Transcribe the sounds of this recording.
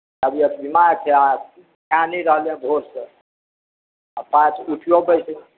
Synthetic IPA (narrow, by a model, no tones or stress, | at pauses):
əbiəbimaɾt͡ʃʰɛa | kaniɾəɦljɛ̃ɡʱoɾse | apãt͡ʃʰuʈʰjobəjs